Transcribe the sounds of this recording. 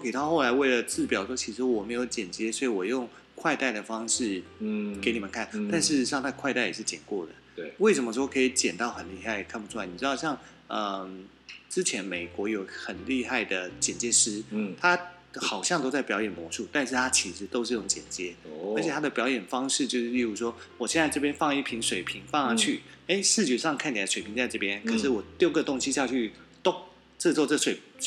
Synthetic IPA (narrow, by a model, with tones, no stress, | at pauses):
ke˨˩t̪ʰa˥˧xo˥˩la˧˥ɪwe˥˩ɪlə˩t͡sɹ̩˥˩pjɑ˨˩ʊʂwɔ˥t͡ɕʰi˧˥ʂɻ̩˧˥wɔ˨˩me˧˥ɪjo˧˥ʊt͡ɕjɛ˨˩nt͡ɕjɛ˥swɔ˧˥i˨wɔ˨˩jʊ˥˩˧ŋ | kʰwa˥˧ɪt̪a˥˩ɪd̪ə˩fɑ˥ŋʂɻ̩˥˩ke˧˥ɪni˨˩mə˨nkʰa˥˩nt̪a˥˧nʂɻ̩˥˧ʂjɑ˥˧ŋt̪ʰa˥˧kʰwa˥˧ɪt̪a˥˩ɪjɛ˨˩ʂɻ̩˥˩t͡ɕjɛ̰˨˩nkwɔ˥˩d̪ə˩ | we˥˩ɪʂə˧˥mə˧ʂ̬wɔ˥˩kʰɤ˧˥i˧˩t͡ɕjɛ˨˩nt̪ɑ˥˩ʊxə˨˩nli˥˧xa˥˩ɪkʰa˥˩npu˧˩ʈ͡ʂʰa˥˩ni˨˩ɻ̩˥ɑ˥˧ɕjɑ˥˧˩ŋ | ə˧m | ʈ͡ʂɻ̩˥t͡ɕʰjɛ˧˥nme˨˩ɪkwɔ˧˥jo˧˥ʊxə˨˩nli˥˧xa˥˩ɪd̪ə˩t͡ɕjɛ˨˩nt͡ɕjɛ˥ʂɻ̩˥t̪ʰa˥ | xɑ˨˩ʊɕjɑ˥ŋt̪o˥ʊt͡sa˥˩ɪpjɑ˧˥ʊjɛ˨˩nmwɔ˧˥ʂu˥˧t̪a˥˧nʂ̬ɻ̩˥˩t̪ʰa˥t͡ɕʰi˧˥ʂɻ̩˧˥t̪o˥ʂɻ̩˥˩˥ʈ͡ʂʊ˧ŋt͡ɕjɛ̰˨˩nt͡ɕjɛ˥ə˧˥t͡ɕʰɛ˨˩a˥d̪ə˨˩pjɑ˧˥ʊjɛ˨˩nfɑ˥ŋʂɻ̩˥˧t͡ɕjo˥˧ʊʂɻ̩˥˧i˥˧ɻu˥˩ʂwɔ˥wɔ˨˩ɕjɛ˥˧nt͡sa˥˧ɪʈ͡ʂɤ˥˧p̬jɛ˥nfɑ˥˧ŋi˥˩pʰi˧˥ŋʂwe˨˩ɪpʰi˧˥ŋfɑ˥˧ŋa˧t͡ɕʰy˥˩ | e˥˩ɪʂɻ̩˥˩t͡ɕy˨˩ʂɑ˥˧ŋkʰa˥˩nt̪jʂwe˨˩pʰi˧˥ŋnt͡sa˥˧ɪʈ͡ʂɤ˥˩pjɛ˥nkʰɤ˨˩ʂɻ̩˥˩wɔ˨˩ljo˥˩ʊɡə˥˨t̪ʊ˥ŋɕi˧˥ɕja˥˧t͡ɕʰy˥˩t̪ʊ˥ŋ | ʈ͡ʂ̩˥˧t͡swɔ˥˧ʈ͡ʂɤ˥˩ʂwe˨˩ɪ